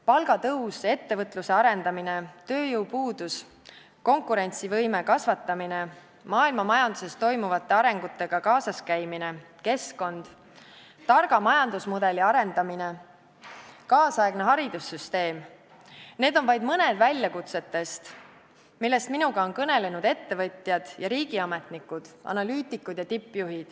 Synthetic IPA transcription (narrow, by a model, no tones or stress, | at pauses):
pɑlɡ̥ɑt̪ɤuwse̞t̪ːe̞vɤt̪ːˑluse̞ɑɾe̞nd̪ɑmine̞t̪ø̞ːjuwpuːd̪̥us | ko̞ŋkuɾe̞nʲt̪sivɤjme̞kɑsvɑt̪ːˑɑmine̞ | mɑːilmɑmɑjɑnd̪use̞st̪o̞jmuvɑt̪ːˑe̞ɑɾe̞ŋɡ̥ut̪ːˑe̞ɡ̥ɑkɑːsɑskæjmine̞ | ke̞sko̞nd̪̥ | t̪ɑrɡ̥ɑmɑjɑnd̪̥usmud̪e̞liɑɾe̞nd̪ɑmine̞ | kɑːsɑeɡ̥ne̞ɦɑɾid̪̥usːyst̪e̞ːm | ne̞ːd̪o̞nvɑjd̪mɤne̞d̪̥vælʲjɑkut̪se̞t̪ːe̞st̪ | milːe̞st̪minuɡ̥ɑo̞nkɤne̞le̞nud̪̥e̞t̪ːe̞vɤt̪ʲˑjɑd̪̥jɑɾiːɡ̥iɑme̞t̪ˑnikːud̪̥ɑ̰nɑlyːt̪ːˑikːˑud̪̥jɑt̪ipːjuɦid̪̥